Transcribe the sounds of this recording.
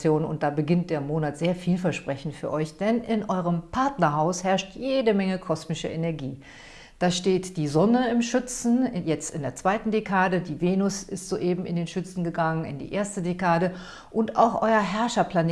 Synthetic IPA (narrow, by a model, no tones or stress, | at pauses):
joːnʊ̰nt̚d̥aːbəɡɪnt̚d̥eːɐmoːnatz̥eːɐfiːlfɛɐʃpʁ̥ɛçn̩fyːɐʔɔʏçd̥ɛnɪnʔɔʏʁ̞əmpʰaɐtnɐɦaʊshɛɐʃtʰjeːdəmɛŋəkʰɔsmɪʃɐ̰ʔenɛɐɡiː | d̥aːʃteːtd̥iːzɔnəɪmʃʏt͡sn̩jɛt͡stɪndeːɐt͡sv̥aɪtn̩dekʰaːdədiːveːnʊsɪstz̥oːʔeːbm̩ɪ̰ndeːnʃʏt͡sn̩ɡəɡaŋənɪ̰ndḭːʔeːɐstədekaːdə | ʔʊntʔa̰ʊxʔɔ̰ʏɐɦɛɐʃɐpl̥ane